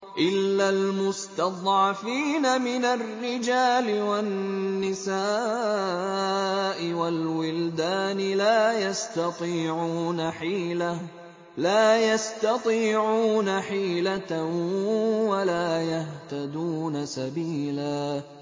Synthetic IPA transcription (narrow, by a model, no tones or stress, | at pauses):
ʔɪlːalmʊst̪ɑd̪ˤʕɑfiːnamɪnarːɪd͡ʒaːlɪwanːɪsaː | ʔɪwalwʊld̪aːnɪlaːjast̪ɑt̪ˤiːʕuːnaħiːla | laːjast̪ɑt̪ˤiːʕuːnaħiːla | walaːjaht̪ad̪uːnasabiːlaː